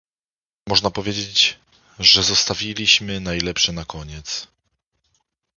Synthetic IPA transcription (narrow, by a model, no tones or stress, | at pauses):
mɔʐnapɔvʲjed͡ʑed͡ʑ | ʐɛzɔst̪avʲilʲiɕmɘnajlɛpʂɛnakʰɔɲɛt̪s